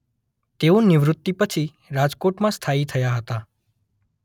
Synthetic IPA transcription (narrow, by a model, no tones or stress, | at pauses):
t̪eũnɪʋɾʊt̪ːipət͡ʃʰi | ɾad͡ʒkoʈmãst̪ʰait̪ʰəjaɦət̪a